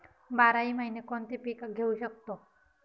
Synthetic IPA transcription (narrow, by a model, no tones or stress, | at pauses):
baɾaiːməɦinekont̪epikaɡʱeuɕək̚t̪o